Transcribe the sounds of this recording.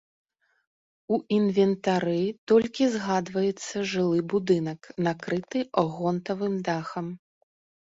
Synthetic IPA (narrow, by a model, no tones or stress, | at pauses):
uʔinvʲɛnt̪aɾɨt̪ɔlʲkʲizɣad̪vɐjɛt̪sːɐʐɨlˠɨbud̪ɨnɐknakɾɨt̪ɨɔɣɔnt̪ɐvɨmd̪axɐm